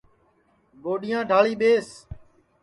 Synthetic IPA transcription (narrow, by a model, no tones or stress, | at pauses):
ɠoːɗɪjãːɖʱaːɭiːɓeːs